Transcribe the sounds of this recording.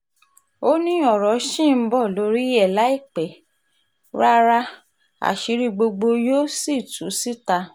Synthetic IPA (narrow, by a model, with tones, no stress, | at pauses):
o˦nĩ˦ɔ˦˨ɾɔ˨˦ʃĩ˦˨m̩˦bɔ˦˨lo˨˦ɾi˦ɛ˦˨la˨˦i˦˨k͡pɛ˨˦ | ɾa˦ɾa˦ | a̰˨ʃi˨˧˦ɾi˧ɡ͡bo˧ɡ͡bo˧joː˦si˦˨tu˨˦si˦ta˧